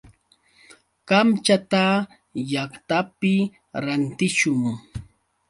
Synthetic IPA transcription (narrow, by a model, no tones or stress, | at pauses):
kamt͡ʃat̪a | jaχt̪apɪ | ɾant̪ɪʃʊŋ